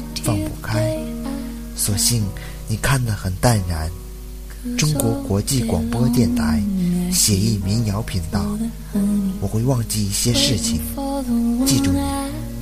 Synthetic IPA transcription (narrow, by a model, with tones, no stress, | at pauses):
fɑ˥˧ŋpu˥˩kʰa˥ɪ | swɔ˨˩ɕi˥˩ŋ | ni˨˩kʰa˥˩ndlə˩xə˨˩nt̪a˥˩nɻa˧˥n | ʈ͡ʂʊ˥ŋkwɔ˧˥kwɔ˧˥t͡ɕi˥˩kwɑ̰˨˩ŋpwɔ˥t̪jɛ˥˩nt̪ʰa˧˥ɪɕjɛ˨˩i˥˩mi˧˥njɑ˧˥ʊpʰi˧˥ŋt̪ɑ˥˩ʊ | wɔ˨˩xwe˥˧ɪwɑ˥˧ŋt͡ɕi˥˧i˥˩ɕjɛ˥ʂɻ̩˥˩t͡ɕʰi˨˩ŋ | t͡ɕi˥˧ʈ͡ʂʊ˥˩ŋni˨˥˩